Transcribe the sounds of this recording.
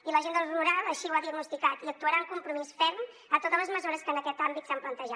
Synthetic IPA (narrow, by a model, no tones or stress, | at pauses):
iləʒend̪əlˠruɾalˠəʃiwaðiəɡnust̪ikat̪iək̚t̪uəɾaəŋkumpɾumisfɛɾm | ət̪ot̪əzləzməzuɾəskənəkɛt̪ambit̪samplənt̪əʒa